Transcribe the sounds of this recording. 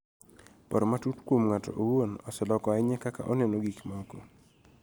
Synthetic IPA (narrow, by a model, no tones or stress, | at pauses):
pɔɾɔmatutkwomŋatɔ̰ʔowonɔsɛlɔkɔaɪɲɛkaka̰ʔɔnɛnoɡikmɔɡo